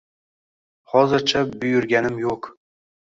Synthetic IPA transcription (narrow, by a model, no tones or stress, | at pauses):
hɒzɪɾt͡ʃʰabʊjʊɾɡʲanɪmjoq